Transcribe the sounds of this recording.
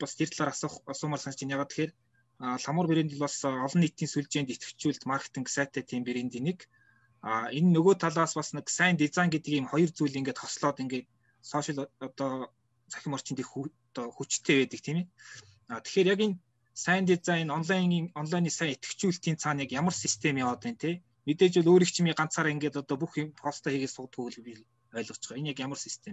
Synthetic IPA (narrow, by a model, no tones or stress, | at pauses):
past̪ʰert̪ɮaːɾasχasʊːmərsanst͡ɕɪ̆njaːʁaːt̪ʰːe̥xeːr | aːɬamə̆rpeɾeːnt̪ɪ̆ɮpɔɮsɔɮɞ̆nːit̪iːnsuɮt͡ɕeːnt̪et̪ɡɘ̆kt͡ɕuːɮt̪markt̪ʰə̆ŋksæːt̪ʰæːt̪ʰiːmpeɾeːnt̪inik | aːenːɵɣoːt̪ʰaɮaːspɔsə̆nksæːnt̪et͡saːŋɡet̪ɘ̆kimχɔjɞ̆rt͡suːɮiːŋɡeːt̪χɔsɮɔːt̪iŋɡeːt̪̚ | sɔːʃɪ̆ɮɔt̪ɔː | t͡sʰæ̥xʲɪ̆mɔr̥t͡ɕʰɪ̆nt̪ix | t̪ɔxut͡ɕt̪ʰːeːpæːt̪ə̆kt̪ʰiːme | aːt̪ʰe̥xeːrjaken | sæːnt̪it͡saŋenɔnɮaŋːɔnɮajniːsæːŋet̪̚kɘ̥̆t͡ɕuːɬt̪iːnt͡sʰaːnjakjamə̆rsist̪ʰemiːɔt̪iːnt̪ʰeː | met̪eːt͡ɕʊɮoːɾiːkt͡ɕʰimiːɢan̥t͡saːɾaːeŋɡeːt̪ɔt̪ɔːp̬uxχɔst̪ʰaːxeɣeːsʊt̪xuːɮi | œːɮʁɞ̥̆t͡ɕɪ̥̆χɔenjakjamə̆rsist̪ʰem